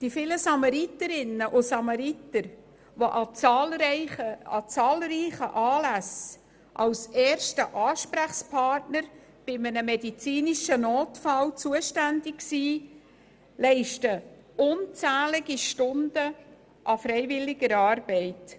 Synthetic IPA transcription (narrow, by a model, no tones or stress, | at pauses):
d̥ifɪləsɑmɑɾit̪əɾɪnːəʔʊsɑmɑɾitəɾ | ʋoʔɑt͡sɑlɪəɑ̰t͡sɑːlriːχəʔɑːlæs | ʔɑwsɛːɾʃtəʔɑːʃpɾæχspʰɑrtnəɾ | b̥ɪmənəmɛdit͡siːniʃənoːtfɑlt͡suəʃtændɪksiː | lɛɪʃtə | ʊnt͡sæːlɪɡ̥iʃtʊnd̥ə | ʔɑfɾɛɪjvɪlːɪɡəɾɑːrb̥ɛɪt